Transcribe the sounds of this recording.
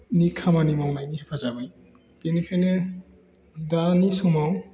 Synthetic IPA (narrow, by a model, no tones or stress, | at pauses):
nikʰamanimawnajniɦɛpʰazabɯj | kinikʰajne | danisɔmaw